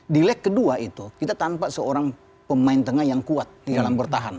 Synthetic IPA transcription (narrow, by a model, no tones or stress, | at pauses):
dilɛkːəduaʔit̪ukit̪at̪ampaʔsəoɾaŋ | pəmaɪnt̪əŋahjaŋkuat̪̚didalambərt̪aɦan